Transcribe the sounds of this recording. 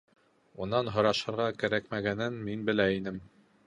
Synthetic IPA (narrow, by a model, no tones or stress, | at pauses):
unːɑnɦɤ̆ɾɑʃɤ̆ɾʁɑkæɾækmæɡænɘnminbɘ̆læinɘm